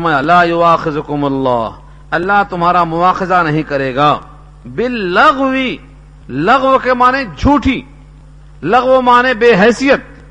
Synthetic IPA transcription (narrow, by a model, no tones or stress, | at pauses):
maːjalaːjʊaːxɪzʊkʊmlːaːɦ | ɐlːaɦt̪ʊmɦaːɾamʊaːxɪzanɐɦĩkɐɾeːɡaː | bɪlːɐɣwi | lɐɣwkemaːnẽd͡ʒʱuːʈʰiː | lɐɣwomaːnẽbeːɦɛːsijət̪̚